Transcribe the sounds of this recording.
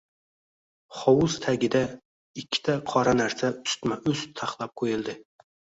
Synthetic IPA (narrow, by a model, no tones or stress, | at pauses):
χɒwʊzt̪ʰaɡʲɪd̪a | ɪkʲʰːɪ̥t̪ʰaqʰɒɾanaɾsaʊst̪maʔɵst̪ʰaχlˠap̚qʰojɪlˠd̪ɪ